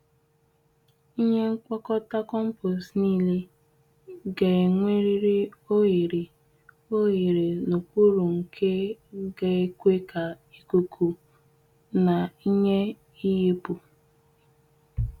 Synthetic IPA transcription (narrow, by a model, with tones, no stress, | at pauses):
i˦ɲe˦ŋ̩˦kʷɔ˦kɔ˦ta˦kɔ˦m̩˦po˨sniː˦li˦ | ɡe˨e˨ŋʷe˦ɾi˦ɾi˦o˦ɣi˨ɾi˨ | o˦ɦi˨ɾi˨no˨k͡pu˦ɾu˨ŋ̩˨kʰe˦ɡe˨e˦kʷe˦ka˨ | i˦ku˨kʰu˨ | na˨i˦ɲe˦ | i˦ɦe˦pu˨